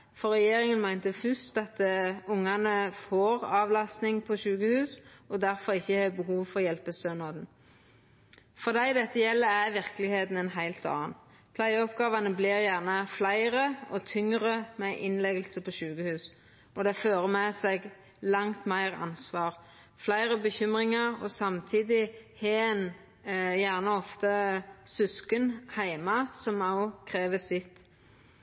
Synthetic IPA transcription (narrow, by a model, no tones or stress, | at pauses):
fɔʁɛjeːɾɪŋənmæɪnt̪əfʉst̪ɑt̪̚d̪ʊŋːɑnəfoːʁɑːʋlɑst̪nɪŋpʰɔʃʉːkəhʉːsɔd̪æɾfɔʁɪçːəhɑːbəɦuːʋfɔʁjɛlpəst̪øːnɑd̪n̩ | fɔʁd̪æɪd̪ɛt̪ːəjɛlːəæʋɪʁklɪheːt̪n̩ɛnɦæɪlt̪ɑ̰ːn | pʰlæɪəɔpɡɑːʋɑnəblɪʁjæʁnəflæɪʁəɔt̪ʰʏŋʁəmɛʔɪnleːɡəlsəpʰɔɕʉːkəhʉːs | ʔɔd̪ɛføːʁəmɛsɛɡ | lɑŋt̪mæɪʁɑ̰nsʋɑːʁ | flæɪʁəbəçʏmʁɪŋɑʁɔsɑmt̪ʰiːd̪ɪhen | jæʁnəɔft̪əsʉskənhæɪmɑsɔmɑʊkʰʁeːʋəsɪt̪ː